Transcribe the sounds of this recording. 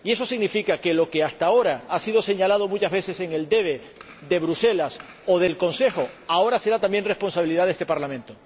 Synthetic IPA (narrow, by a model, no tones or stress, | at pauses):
ie̞so̞siɣnifikake̞lo̞ke̞ast̪ao̞ɾaasiðo̞se̞ɲalað̞o̞mut͡ʃazβe̞se̞se̞ŋe̞ld̪e̞βe̞ | ðe̞βɾuse̞las | oð̞e̞lko̞nse̞xo̞ao̞ɾase̞ɾat̪ambje̞nre̞spo̞nsaβiliðaðest̪epaɾlamẽ̞nt̪o